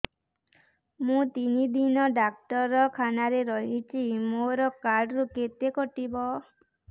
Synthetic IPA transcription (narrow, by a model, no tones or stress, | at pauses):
mũt̪inid̪inɔɖak̚ʈɔɾɔkʰanaɾeɾɔɦit͡ʃʰimoɾɔkaɾɖɾuket̪ekɔʈibɔ